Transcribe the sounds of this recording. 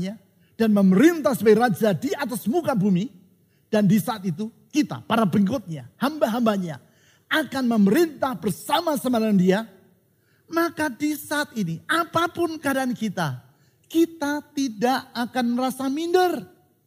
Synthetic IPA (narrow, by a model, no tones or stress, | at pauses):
ɲa | d̥anməməɾint̪ahsəbaɡiɾad͡ʒadiat̪asmukabumi | d̥andisaːt̪it̪̬u | kit̪a̰paɾabəŋkʊt̪̚ɲahambaɦambaɲa | akanməməɾint̪ahbərsamasamadandia | makadisaat̪̚iniapapʊnkadaankit̪a | kit̪at̪idaʔakanrasamindər